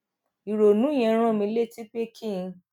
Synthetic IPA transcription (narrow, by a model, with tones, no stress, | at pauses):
i˨ɾo˨nũ˨˦j̃ɛ̃˧ɾ̃ã˦˨mĩ˧˦le˦˨ti˦k͡pe˦kʰĩ˦˨˧